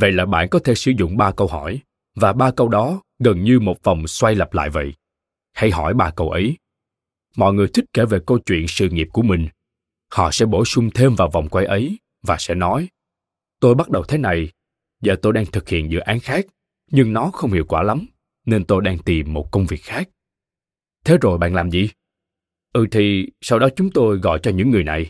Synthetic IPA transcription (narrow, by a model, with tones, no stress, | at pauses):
və̰˧˨jlaː˨˩ɓa̰ː˧˨nkɔ˨˦t̪ʰe˧˩sɨ̰˧˩zʊ̰˧˨ŋ͡mɓaː˧kə˧wɦɔ˧˩j | vaː˨˩ɓaː˧kə˧wɗɔ˨˦ | ɣə˨˩nɲɨ˧mo˨˩t̚va˨˩wŋ͡mswa˧jlə˨˩p̚la̰ː˧˨jvə̰˧˨j | ha˧jhɔ˧˩jɓaː˧kə˧wʔə˨˦j | mɔ̰˧˨jŋɨ˨˩əjt̪ʰï˦˥ke˧˩ve˨˩kə˧wt͡ɕwḭ˧˨ənsɨ̰˧˨ŋi˨˩əp̚ku˧˩əmï˨˩ŋ̟ | hɔ̰˧˨sɛ̰˧˥ɓo˧˩sʊ˧ŋ͡mt̪ʰe˧mvaː˨˩wva˨˩wŋ͡mkwa˧˩jʔə˨˦j | vaː˨˩sɛ̰˧˥nɔ˨˦j | t̪o˧jɓa˦˥t̚ɗə˨˩wt̪ʰe˨˦na˨˩j | zəː˨˩t̪o˧jɗaː˧ŋt̪ʰɨ˨˩k̚hḭ˧˨ənzɨ̰˧˥kʔaː˨˦nxaː˦˥k̚ | ɲɨ˧ŋnɔ˨˦xə˧wŋ͡mhḭ˧˨wkwaː˧˩la˨˦m | ne˧nt̪o˧jɗaː˧ŋt̪i˨˩mːo˨˩t̚kə˧wŋ͡mvi˨˩ək̚xaː˦˥k̚ | t̪ʰe˨˦zo˨˩jɓa̰ː˧˨nlaː˨˩mzḭ˧˨ | ʔɨ˧˩t̪ʰi˨˩sa˧wɗɔ˨˦t͡ɕʊ˨˦ŋ͡mt̪o˧jɣɔ̰˧˨jt͡ɕɔ˧ɲɨ̰˧˥ŋːɨ˨˩əjna˨˩j